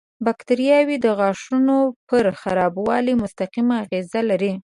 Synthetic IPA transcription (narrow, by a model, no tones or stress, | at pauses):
bakt̪aɾijɑwid̪əɣɑʂunopəɾxaɾɑbwɑlimʊst̪aqimaːɣezalaɾi